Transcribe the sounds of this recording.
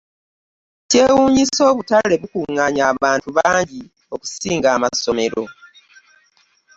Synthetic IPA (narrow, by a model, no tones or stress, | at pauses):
ce̞ːwuːɲiso̞ːβutale̞βukuŋːaɲaːβaːntuβaːɲɟi | o̞ku̥siːŋɡaːmaso̞me̞ɾo̞̰